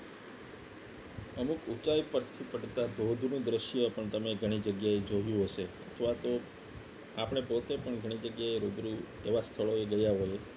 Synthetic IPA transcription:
əmukut͡ʃajpəɾt̪ʰipəʈt̪ad̪od̪ʱnũd̪ɾəʃjapəɳt̪əmeɡʱəɽ̃id͡ʒəɡjaed͡ʒoɦjũɦəʃeət̪ʰʋat̪o | apəɳ̃epot̪epəɳɡʱəɽ̃id͡ʒəɡjaeɾod̪ɾu | eʋast̪ʰəɭoeɡəjaɦoje

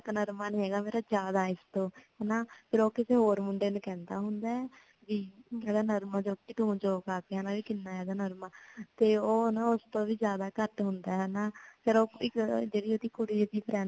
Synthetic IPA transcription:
knəɾmaːnĩːɦɛːɡaːmeːɾaːd͡ʒjaːd̪aːɪst̪õːɦɛnaːpʰɪɾoːkɪseːɦoːɾmʊɳɖeːnũːkɛ̃ːnd̪a̰ːɦʊnd̪aːɛː | ʋiːɛːd̪aːnəɾmad͡ʒoːkiːt̪ʊ̃d͡ʒoːkaːkeɦanãːʋiːkɪnːaːɛːd̪aːnəɾmaːt̪eːoːnãːʊst̪õːʋiːd͡ʒjaːd̪aːkəʈɦʊnd̪aːɦɛːnaːpʰɪɾoːɪkd͡ʒeːɽiːod̪iːkʊɽiːəd̪iːpʰɾɛː

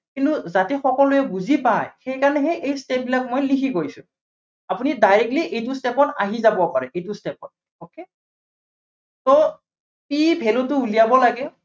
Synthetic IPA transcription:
kintuzatɛxɔkɔlʊjɛbuzipajxejkanɛɦɛʔejstep̚bilakmojlikʰiɡojsʊ̰ | apunidajɹɛk̚tliʔejtʊstepɔta̰ɦizabɔpaɹɛʔejtʊstɛpɔt̚ | oke | tɔ | pibʱɛlʊtʊulijabɔlaɡɛ

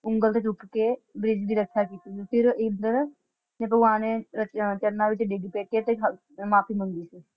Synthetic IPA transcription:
ʊ̃ŋɡəlt̪et͡ʃuʈkebɾɪd͡ʒb̪ʱiɾəkːʃʰakiːt̪ipɪɾeːnd̪əɾ | nep̬əɡaneɾət͡ʃəɾnabit͡ʃeɖeːɡipeːʈ̚ket̪ekɦ | maːpʰimə̃nd̪ise

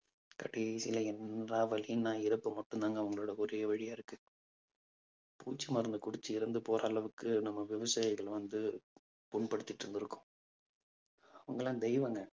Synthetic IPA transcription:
kɐʈːisɪlɐɛnraːʋɐlɪjnãːɪɾɐpːɯmɐʈːɯnd̪aːŋɡɐːʋɐŋɡɐɭoːɽɐkʊɾɪjɐʋɐɻɪjaːɪɾɯkːɯ | pṵːt͡ʃːɯmɐɾɯnd̪ɯkʊɽɪt͡ʃːɯɪɾɐnd̪ɯpoːɾaːlɐʋɯkːɯnɐmːɐʋɪʋɐsaːjɪɣɐɭʋɐnd̪ɯ | pʊɳpɐɽɯt̪ːɪʈːɾɯnd̪ɪɾɯkːʊ̥̃ | ɐʋɐŋɡɐɭãːd̪ɛɪʋɐŋɡɐ

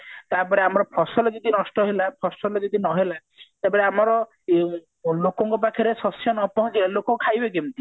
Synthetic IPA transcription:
t̪aɾpɔɾeamɔɾɔpʰɔsɔlɔd͡ʒɔd̪inɔsʈɔɦelapʰɔsɔlɔd͡ʒɔd̪inɔɦela | t̪epɔɾeamɔɾɔ | lokɔŋkɔp̬akʰiɾesɔsjɔnɔpɔɦɔ̃nt͡ʃʰielokɔkʰajbek̬emt̪i

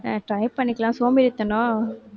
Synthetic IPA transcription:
ʈɾɐɪpɐɳːɪkːɐlãːsoːmbɪɾɯt̪ːɐnõː

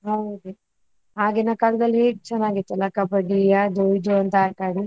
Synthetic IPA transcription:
ɦɐwd̪u | ɦaːɡeːnakɐld̪ɐlːɦeːɡ̚t͡ʃɛnːaːɡit̪ːɐlːakɐpɐɖijad͡ʒojid͡ʒoɐnt̪ɐaːkaːɽi

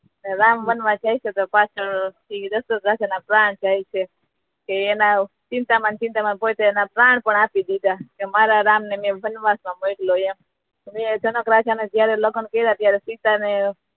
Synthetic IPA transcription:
neɾamʋənʋãt͡ʃajt͡ʃʰet̪opat͡ʃʰəɳt̪ʰid̪əst̪əkɾat͡ʃanapɾaɳt͡ʃajt͡ʃʰe | keːna | t͡ʃɪ̃nt̪amant͡ʃɪ̃nt̪amanpojt̪eːnapɾaɳpəɳapid̪id̪akemaɾaɾamnemẽbʱənʋasmãmojkloem | mẽt͡ʃənəkɾat͡ʃaned͡ʒjaɾeləɡənkeid̪at̪jaɾesit̪ane

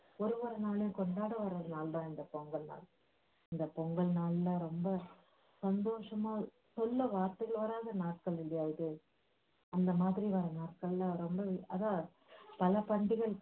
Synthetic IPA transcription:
ɔɾɯʋɐːɾɐnaːɭjʊ̃kɔɳɖaːɽɯʋɐɾːɐðɯnaːld̪ãːɪnd̪ɐpɔŋɡɐɭna̰ːɭ | ɪnd̪ɐpɔŋɡɐɭnaːɭlãːɾɔmbɐ | sɐnd̪oːʂɐmaː | sɔlːɐʋaːɾt̪ɐɣɐɭʋɐɾaːðɐnaːʈ̚kɐɭɾɛɽɐjaːjɯðɯ | ɐnd̪ɐmaːðɪɾiʋɐɾɐnaːʈ̚kɐɭlãːɾɔmbɐɐðãː | pɐlɐpɐɳɖɪɣɐɭ

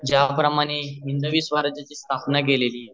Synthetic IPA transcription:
d͡ʑjapɾəmaɽ̃eʋind̪əʋiːsʋaɾd͡ʑat͡ɕiːst̪ʰapnak̬eleliː

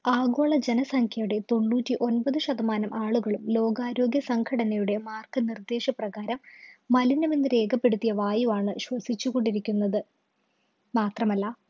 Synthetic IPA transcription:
aːɡo̞ːɭɐd͡ʑenɐsɐŋkʰjɐjuɽe̞t̪o̞ɳːuːtːiʔo̞nbɐðɨɕɐd̪ɐmaːnɐmʔaːɭuɣɐɭumlo̞ːɡaːɾo̞ːɡjɐsɐŋkʰɐɽɐnɐjuɽe̞maːrkɨnird̪e̞ːʂɐprɐɣaːɾɐmːɐlinɐminːɨɾe̞ːɡɐpːe̞ɽut̪ːijɐʋaːjuʋaːɳɨɕwɐsit͡ɕːuɣo̞ɳɖiɾikʲːunːɐðɨ | maːt̪rɐmɐlːɐ

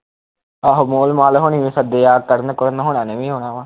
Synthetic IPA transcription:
aːɦomoːlmaːlɦoɳ̃iːʋĩːsəd̪eːjaːkəɾnəkʊɾənɦoːɳãːneːʋĩːɦoːɽaːʋaː

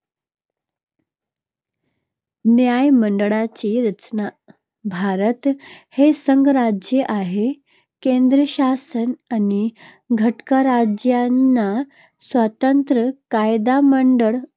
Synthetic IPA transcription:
njajməɳɖəɭat͡ɕiɾət͡ɕna | bʱaɾət̪hesəŋɡɾad͡ʑjeʔaɦe | kend̪ɾəɕasənani | ɡʱəʈkaɾad͡ʑjanːa | sʋat̪ənt̪ɾəkajd̪aməɳɖəɭ

